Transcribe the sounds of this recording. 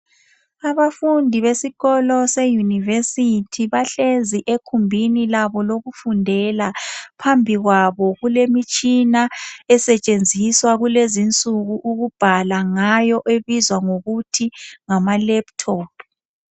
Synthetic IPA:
aβafundʱiβesiɣɔlɔsejunivesitʰiβaɬeziʔekʰumbʱinilaβɔloɣufundʱɛlapʰambʱiɣwaβɔɣulemit͡ʃʼinaɛsɛt͡ʃʼend͡zʱiswaɣulezint͡sʼuɣuʔuɣub̥ʱalaŋajɔʔeβizwaŋoɣutʰiŋamalɛptʰɔːpʰ

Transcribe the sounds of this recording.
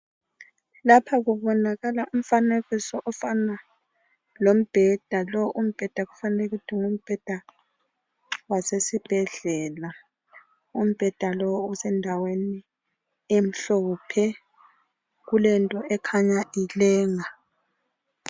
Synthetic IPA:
lapʰaɣuβɔnaɣalaʔum̩faneɣisɔʔɔfana | lom̩b̥ʱɛd̥ʱalɔʔum̩b̥ʱɛd̥ʱaɣufanɛlɛɣutʰiŋum̩b̥ʱɛd̥ʱa | wasesib̥ʱɛɮɛːla | um̩b̥ʱɛd̥ʱalɔusɛndʱaweni | em̩ɬɔpʰɛ | ɣulɛntʼɔʔɛkʰaɲaʔilɛːŋa

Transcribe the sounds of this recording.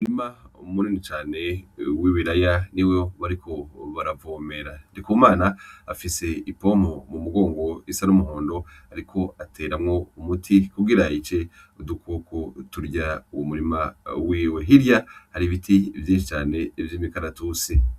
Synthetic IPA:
umuɾimamuninit͡ʃaːne̞wiːβiɾajaniwoβaɾikʰo̞βaɾavoːme̞ɾandikumaːnaːfise̞ipo̞momumuɡo̞ːŋɡo̞isaɾumuɦoːndo̞aɾikʰo̞atʰe̞ːɾamŋo̞umutʰikuɡiɾait͡ʃe̞ | udukukotuɾɟauwomuɾimawiːwe̞ɦiɾjahaɾiβitivjiːnʃit͡ʃaːne̞ivjiːmikaɾatusi

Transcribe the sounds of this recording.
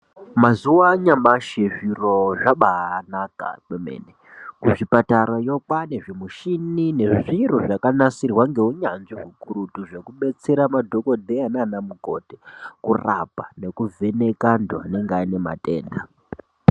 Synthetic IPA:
mazuwaɲamaʃeʐiroʐaɓanaka̰kemḛːne | kuʐipataɾojo̞kwaneʐimuʃinine̞ʐʐiruʐakanasirwaŋɡe̞uɲanʐiɦukuɾutuʐe̞kuɓe̞t͡se̞ɾamadʱo̞ko̞dʱeananamuko̞̰tekura̰pane̞kuvʱe̞ne̞kanda̰ne̞ŋɡeaine̞ma̰tʼe̞̰ːnda

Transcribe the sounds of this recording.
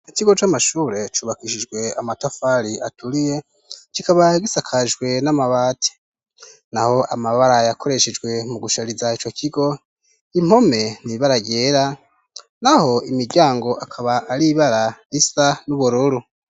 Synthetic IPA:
ikiɡo̞t͡ʃamaʃuːɾe̞t͡ʃuːβakiʃid͡ʒɡwe̞amatafaɾia̰tuɾije̞ | t͡ʃikaβaɡisakʰad͡ʒɡwe̞namaβaːtʰe̥ | naho̞ʔamaβaɾajakʰo̞ɾe̞ʃed͡ʒɡwe̞muɡuʃaɾizait͡ʃo̞kʰiɡo̞ | im̥ho̞me̞niβaɾaɡeɾa | naho̞imiɡɟaːŋɡo̞ʔakʰaβaːɾiβaɾaisanuβuɾuɾu

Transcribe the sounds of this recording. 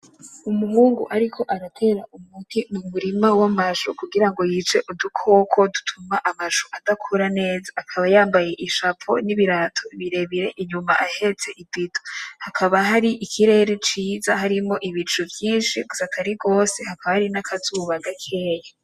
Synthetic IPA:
umuhuːŋɡṵʔaɾikʰo̞ʔaɾatʰe̞ːɾaʔumutʰimumuɾimawamaʃokuɡiɾaŋɡo̞jit͡ʃe̞ʔudukʰo̞ːkʰo̞dutʰumaʔamaʃoʔad̥akʰuɾane̞ːzaːkʰaβajaːmbaje̞ʔiʃapo̰niβiɾaːtʰo̞iβiɾe̞βiɾe̞ʔiɲumaʔahe̞t͡se̞ʔibitohakʰaβaɦaɾiʔikʰiɾe̞ːɾet͡ʃiːzahaɾimo̞ʔiβit͡ʃuvjiːnʃiɡuzatʰaɾiɡo̞ːsehakaβahaɾinakʰazuːβaɡakʰe̞ːja

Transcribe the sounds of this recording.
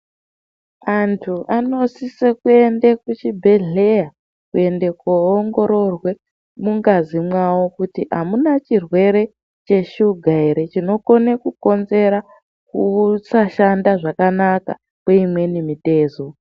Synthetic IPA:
antʰuano̞sisekue̞ndekut͡ʃibʱe̞ɮe̞ja | kue̞nde̞koːŋɡo̞ɾo̞rwe̞ | muŋɡazimwawo̞kutiɦamunat͡ʃirwe̞ɾe̞ | t͡ʃe̞ʃuɡʱaiɾe̞t͡ʃino̞ko̞ne̞kuko̞nze̞ɾa | kusaʃandaʐakanaka̰ | kweimwe̞nimite̞ːzo

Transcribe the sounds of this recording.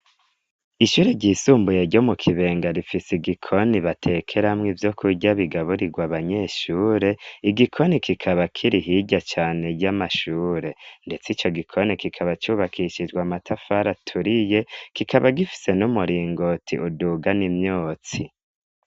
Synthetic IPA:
iʃuːɾeɟiːsuːmbujeɾɟomukʰiβe̞ːŋɡaɾifisiɡikʰo̞niβatʰe̞kʰe̞ɾamŋivjo̞kʰuɟaβiɡaβuɾiɡwaβaɲe̞ʃuːɾe̞iɡikʰo̞nikikʰaβakʰiɾiɦiɟat͡ʃaːne̞ɾɟamaʃuːɾe̞nde̞t͡sit͡ʃo̞ɡikʰo̞nikikʰaβat͡ʃuβakʰiʃid͡ʒɡwamatʰafaɾatʰuɾije̞kikʰaβaɡifi̥se̞numuɾiːŋɡo̞tʰḭʔuduːɡanimɲoːt͡si

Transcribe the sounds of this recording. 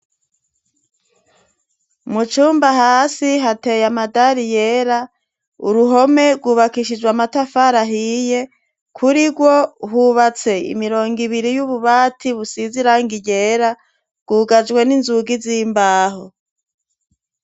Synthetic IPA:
mut͡ʃuːmbaɦaːsiɦate̞jamadaɾijeɾa | ṵɾuɦo̞me̞ɡwuːβakiʃid͡ʒɡwamatafaɾaɦije̞ | kʰuɾiɡwo̞ɦuβat͡se̞ḭmiɾo̞ːŋɡiβiɾijuβuβaːtʰiβusiziɾaːŋɡiɟe̞ːɾa | ɡ̥uːɡad͡ʒɡwe̞ninzuɡiziːmbaːɦo

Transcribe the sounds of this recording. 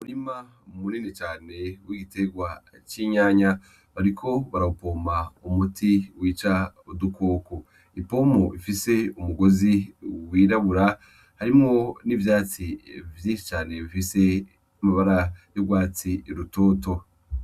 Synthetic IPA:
umuɾima | muniːnit͡ʃaːne̞wiɡite̞ɡwa | t͡ʃiːɲaːɲa | βaɾikʰo̞βaɾaupo̞ːmaumutiwiːt͡ʃaodukʰo̞ːko | ipo̞ːmoifise̞umuɡo̞ziwiːɾaβuɾa | haɾimŋo̞nivjaːt͡sivjiːnʃi̥t͡ʃaːne̞βifise̞ | amaβaɾajobɡwaːt͡siɾuto̞ːto̞

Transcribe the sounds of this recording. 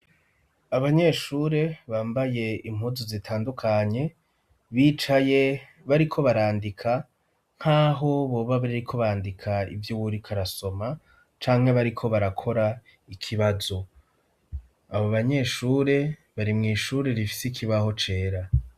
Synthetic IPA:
aβaɲe̞ːʃuːɾe̞βaːmbaje̞im̥huzozitʰaːndukʰaɲe̞ | βiːt͡ʃaje̞ | βaɾikʰo̞βaɾaːndikʰa | ŋ̥haːɦo̞βo̞ːβaβaɾikʰo̞βaːndikʰaḭvjuβuɾikʰaɾaso̞ma | t͡ʃaːŋ̥he̞βaɾikʰo̞βaɾakʰo̞ɾa | ikʰiβazo̞ | aβoβaɲe̞ːʃuɾe̞βaɾimŋiːʃuːɾe̞ɾifi̥sikʰiβaho̞t͡ʃe̞ːɾa

